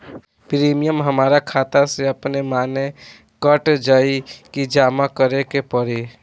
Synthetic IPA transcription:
pɾiːmijəmɦəmaːɾakʰaːt̪aseɐpnemaːne | kəʈd͡ʒaːikid͡ʒaːmakəɾekepəɽe

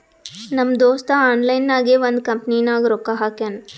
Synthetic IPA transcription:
nɐmd̪oːst̪aaːnlɐjnːaːɡeʋond̪kɐmpninaːɡɾoːkaɦaːkan

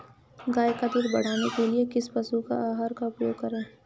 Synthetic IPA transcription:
ɡaːjkad̪ɪːɾbɐɽ̤aːnekeliekɪspɐsuka̰aːɦaːɾkaʊpjoːɡ̚kɐɾẽː

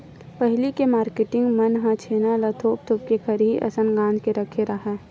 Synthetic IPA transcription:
pəɦlikemaːɾkeʈɪ̃ŋɡmɐnɦãt͡ʃʰeːnalɐt̪ʰoːp̚t̪ʰop̚kekʰəɾɦiʔɐ̰sənɡãːnd͡ʒkeɾɐkʰeɾaɦɛː

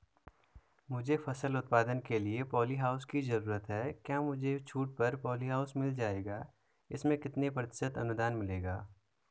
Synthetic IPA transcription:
mʊd͡ʒʱefʰɐsəlʊt̪̚paːd̪ənkeliepɔːliɦaːʊskizɐɾuːɾət̪ɦɛːkjaːmʊd͡ʒʱet͡ʃʰuːʈ̚pɐɾpɔːliɦaːʊsmɪld͡ʒaːeːɡaː | ɪsmẽkɪt̪nepɾət̪ɪ̥sət̪ɐnʊd̪aːnmɪleːɡaː

